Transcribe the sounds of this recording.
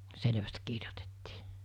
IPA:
selĕʋæst kirjotetːi̥ː

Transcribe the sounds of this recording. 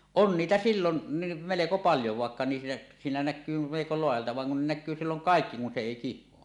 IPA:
on niːtæ silːonːi meleko pɑljo ʋɑˑekːɑ niːs siːnæ nækˑyː meleko loɑjɑltɑ ʋɑn ne kun nækˑyː silːoŋ kɑˑekːi kun se eˑi kihˑoɑ

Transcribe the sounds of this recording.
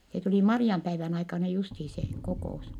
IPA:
se tuli mɑriɑmpæiʋæn ɑikɑnɑ justiː se kokoˑus

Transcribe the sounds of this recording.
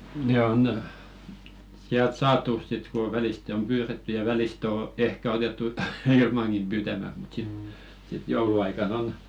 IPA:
ne on siælt sɑːtu sit ko ʋɛliste om pyːretːy jɑ ʋæliste o ehkæ otetːu ilmɑŋkim pyːtæmæt mut sit sit jouluɑikɑn on

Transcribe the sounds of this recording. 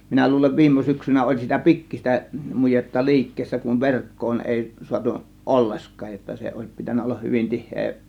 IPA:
minæ luːleʋ ʋiːmˑo syksynæ olʲ sitæ pikːis̆tæ mujetːɑ li̞ikːeːsːæ kuʋ ʋerkːoːn eˑi suɑtu ʔolːeskɑːj jotːɑ se oˑe̝s pitænːæ olːɑh hyʋin tihːeː

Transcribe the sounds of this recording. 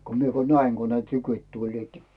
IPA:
ko mie ko næiŋ ko ne tykyĭt tulʲliːt

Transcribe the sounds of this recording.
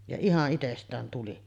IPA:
jɑ ihɑʔ ʔitestˑæːn tuli

